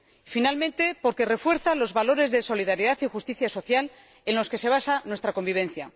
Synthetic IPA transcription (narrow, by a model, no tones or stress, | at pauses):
finalmẽ̞nt̪e̞po̞ɾke̞re̞fwe̞ɾθalo̞zβalo̞ɾe̞zðeso̞liðaɾjiðaθixust̪iθjaso̞θjal | e̞nlo̞ske̞se̞β̞asanwest̪ɾako̞mbiβ̞ẽ̞n̟θja